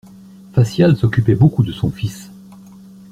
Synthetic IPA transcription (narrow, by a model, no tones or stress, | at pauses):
fasjalsɔkʲypɛbokud̪əsɔ̃fis